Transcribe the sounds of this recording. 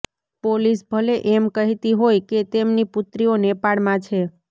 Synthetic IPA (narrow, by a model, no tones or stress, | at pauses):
polisbʱəleʔɛmkəɦit̪iɦojket̪emnipʊt̪ɾionepaɽmãt͡ʃʰe